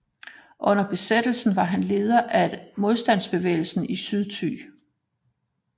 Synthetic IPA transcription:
ʔɔ̽n̰ɐb̥e̝sed̥l̩sn̩ʋɑ̈ɦænle̝ːð̞ˠɐʔæmo̝ð̞ˠsd̥æn̰sb̥e̝ʋḛːɪl̩sn̩isyð̞ˠt͡sʰy̰ː

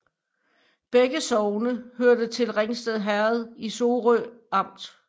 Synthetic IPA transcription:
b̥eɡ̥əsɒʊnəhøɐd̥ət͡sʰe̝lʁeŋsd̥eðˠɦæɐð̞̩ˠiso̝ːʁøɑ̈m̰d̥

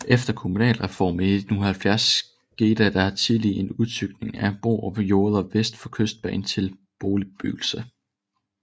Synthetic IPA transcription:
ʔefd̥ɐkʰo̝munɛ̰ːlʁɛfɒ̰ːmied̥nunhælfjæɐs | ɡ̥e̝̰ːd̥æd̥ɑ̈hɑ̈t͡sʰilie̝nuðˠt͡sʰyɡ̥̚ne̝ŋæb̥o̝̰ːɒpjo̝ːð̞ˠɒʋesd̥fɒ̽kʰøsd̥̚b̥ɛ̰ːn̩t͡sʰe̝l | b̥oːli̥b̥y̰ɡ̥l̩sə

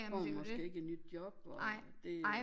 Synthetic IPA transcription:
ɒ̰mɒsɡ̥e̝ːe̝ɡ̥əed̥nyd̥djɒ̽b̥ɒd̥e̝

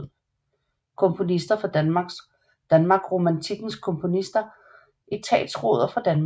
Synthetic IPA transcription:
kʰɔ̽mpʰo̝nisd̥ɐfɒ̽d̥ænmɑ̈ɡ̥s | d̥ænmɑ̈ːɡ̥ʁomænt͡sʰiɡ̥n̩skʰɔ̽mpʰo̝nisd̥ɐ | ʔit͡sʰɛ̰ːd̥sʁo̰ːð̞̰ˠɐfʁɑ̈d̥ænm

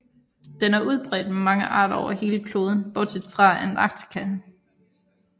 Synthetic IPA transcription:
d̥enæɐʔuð̞ˠb̥ʁɛ̰ːd̥memɑ̈ŋəʔɑ̰̈ːɾ̥ɒʊɐhe̝ːləkʰlo̝ːð̞ˠn̩b̥ɒ̽t͡sʰed̥fʁɑ̈ænɑ̈ɡ̥̚t͡sʰi̥kʰæn

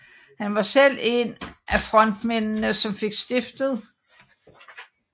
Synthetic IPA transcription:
hænʋɑ̈sel̰e̝nʔæfʁɒ̽n̰d̥mennəsɒ̽mfe̝ɡ̥sd̥e̝fd̥ð̞̩ˠ

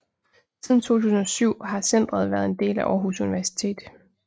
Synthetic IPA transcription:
siðˠn̩t͡sʰo̝̰ːt͡sʰuːsn̩ɒ̽syʊ̰ɦɑ̈sen̰d̥ʁɐð̞ˠʋæɐð̞̩ˠe̝nd̥e̝̰ːlæʔɒːɦusuniʋæɐsi̥t͡sʰe̝̰ːd̥

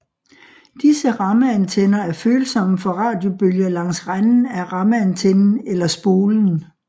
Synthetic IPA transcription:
d̥isəʁɑ̈məænt͡sʰenɐæɐføːlsɒ̽məfɒ̽ʁɑ̈ːd̥jo̝b̥øljɐlɑ̈ŋ̰sʁann̩æʁɑ̈məænt͡sʰenn̩elɐsb̥o̝ːln̩

